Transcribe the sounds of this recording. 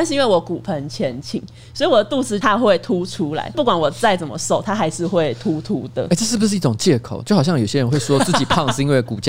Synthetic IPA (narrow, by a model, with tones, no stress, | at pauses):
ʂ̩˥˧i˦nwe˥˩wɔ˧˥ku˨˩pʰə˦nt͡ɕʰjɛ˧˦nt͡ɕʰḭ˨˩˦ŋ | swɔ˧˥i˨wɔ˨˩d̪ə˩t̪u˥˧t͡sɹ̩˥t̪ʰa˦˥xwe˥˨˩ɪt̪ʰu˥ʈ͡ʂʰu˥la̰˨˧˦ɪpu˥˩kwa˨˦nwɔ˨˩t͡sa˥˩ɪt͡sə˨˩nmə̰˨˦so˥˨˩ʊt̪ʰa˥xa˧˥ɪʂɻ̩˥˧xwe˥˩ɪt̪ʰu˦˥t̪ʰu˦˥d̪ə̰˨˦e˥˩ʈ͡ʂɤ˥˧ʂ̬ɻ̩˥˩bu˩ʂɻ̩˥˧i˥˩ʈ͡ʂʊ˨˩ŋt͡ɕjɛ˥˩kʰo̰˨˦ʊt͡ɕjo˥˩ʊxɑ˨˩ɕɑ˥˩ŋjo˨˩ʊɕjɛ˥ɻə˧˦nxwe˥˩ɪswɔ˥˦˥t͡sɹ̩˥˩t͡ɕi˨˩pʰɑ˥˧ŋʂ̩˥˧i˥nwe˥˩ɪku˨˩t͡ɕ